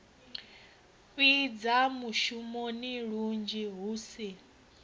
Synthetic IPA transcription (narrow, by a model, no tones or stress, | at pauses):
ɸid͡zamuʃumoniɺund͡ʒiɦuːsi